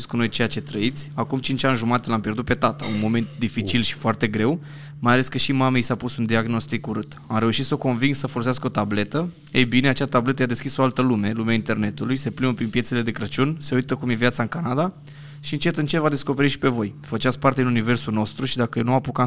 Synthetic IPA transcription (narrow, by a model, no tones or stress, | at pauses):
skuno̞jt͡ʃe̞jat͡ʃe̞t̪ɾəit̪sʲakumt͡ʃint͡ʃanʲʒumat̪elampjerd̪ut̪̚pet̪at̪aunmo̞me̞nt̪̚d̪ifit͡ʃilʃi̥foart̪e̞ɡɾe̞w | majale̞skəʃimamejsapusund̪iaɡno̞st̪ikuɾɨt̪amɾe̞uʃit̪soko̞nviŋɡsəfo̞lo̞sɪaskəot̪able̞t̪ə | ejbine̞at͡ʃat̪able̞t̪əjad̪e̞skʲiso̞alt̪əlume̞lumeaint̪e̞rne̞t̪ulujse̞pɾiməpɾinpje̞se̞le̞d̪e̞kɾət͡ʃunse̞ujt̪əkumje̞vjat̪saɨŋkanad̪a | ʃiɨnt͡ʃe̞t̪ɨnt͡ʃe̞vad̪e̞sko̞pe̞ɾit̪ʃi̥pe̞vo̞jfət͡ʃat̪sʲpart̪e̞d̪inunive̞rsuno̞st̪ɾuʃid̪akənuapuka